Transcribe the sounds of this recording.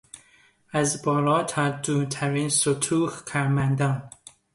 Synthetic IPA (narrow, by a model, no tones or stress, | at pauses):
æzbɒːlɒːt̪ʰæd̪uːt̪ʰæɾiːnsot̪ʰuːhkʰæɾmænd̪ɒːn